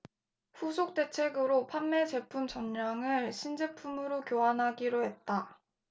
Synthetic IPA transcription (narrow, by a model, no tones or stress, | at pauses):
ɸusʰok̚t͈e̞t͡ɕʰe̞ɡɯɾopʰamːe̞t͡ɕe̞pʰumt͡ɕʌɲːaŋɯɭɕʰind͡ʑe̞pʰumɯɾokjoɦanɦaɡiɾohe̞t̚t͈a